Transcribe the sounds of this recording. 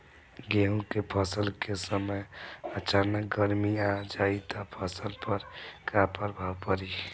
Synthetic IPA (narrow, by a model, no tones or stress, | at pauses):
ɡeũkepʰʌsəlkesəməjət͡ʃanək̚ɡəɾmiad͡ʒait̪ɔpʰʌsəlpəɾkapəɾbʱawpəɾi